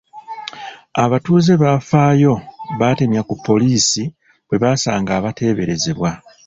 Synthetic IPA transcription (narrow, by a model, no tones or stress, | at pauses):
aβatuːze̞βafaːjo̞βate̞mjakupʰːo̞liːsi | βwe̞βasaːŋɡaːβatʰe̞ːβe̞ɾe̞ze̞βwa